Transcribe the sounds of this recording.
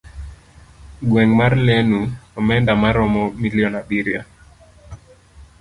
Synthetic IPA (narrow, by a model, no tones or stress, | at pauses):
ɡwɛŋmarlɛnuɔmɛndamaɾɔmɔmiliɔnabiɾja